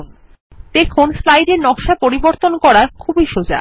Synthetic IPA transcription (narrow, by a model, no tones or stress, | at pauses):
d̪̥ekʰonslajɖeɾnɔkʃapoɾiboɾt̪onkɔɾaɾkʰubiʃod͡ʑa̰